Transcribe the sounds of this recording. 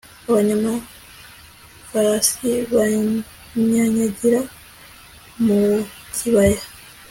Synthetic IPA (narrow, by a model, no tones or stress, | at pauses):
aβaɲama | faɾasiβa | ɲaɲaɟiɾa | mu | cʰiβaja